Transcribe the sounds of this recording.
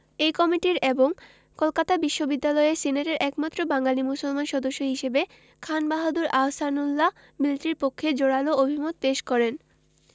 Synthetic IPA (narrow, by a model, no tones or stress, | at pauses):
ejkɔmiʈiɾeboŋ | kolkat̪abiʃːobid̪ːalɔeesineʈeɾʔɛkmat̪ːɾobaŋɡalimusolmanʃɔd̪oʃːoɦiʃebe | kʰanbaɦod̪uɾasanulːa | milʈɾiɾpokʰːed͡ʑoɽaloobʱimot̪̚peʃkɔɾen